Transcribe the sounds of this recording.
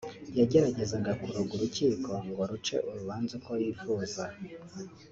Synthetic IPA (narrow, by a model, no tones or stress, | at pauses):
jaɟe̞ɾaɟe̞zaɡakuɾoɡuɾuciːko̞ŋɡoɾut͡ʃe̞̰ʔuɾuβaːnzakowiːfuːza